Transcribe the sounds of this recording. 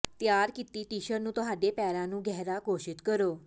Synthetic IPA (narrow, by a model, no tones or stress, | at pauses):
t̪jaɾkit̪iːt̪iɕəɾnũːt̪ɦad̪epɛɾãnũːɡʱɛɦɾakoɕit̪kəɾo